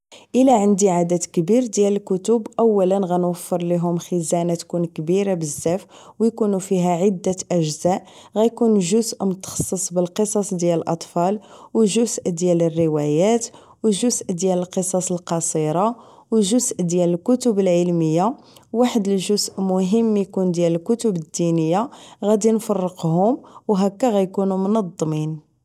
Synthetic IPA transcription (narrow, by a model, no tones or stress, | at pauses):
ʔəlæʕənd̪iʕad̪æt̪kbiɾd̪jæləlkʊt̪ʊbʔəwːælənɣænwəfːəɾˤliɦʊmxəzænat̪kunkbiɾabəzːæf | wjkunufiɦæʕəd̪ːæʔəʒzæʔ | ɣæjkunʒʊzʔmʊt̪ɑ̥xɑ̥sˤːəsˤbəlqəsˤɑsˤd̪jæləlʔɑt̪ˤfɑlwʒʊzʔd̪jælərːəwæjæt̪ | wəʒʊzʔd̪jæləlqəsˤɑsˤəlqɑsˤiɾˤɑ | wʒʊzʔd̪jæləlkʊt̪ʊbəlʕəlməjːa | wːaħəd̪əlʒʊzʔmʊɦəmːjkund̪jæləlkʊt̪ʊbəd̪ːinəjːaɣæd̪infɑrˤːəqɦʊmwɦækːæɣæjkunumnɑd̪ˤːmin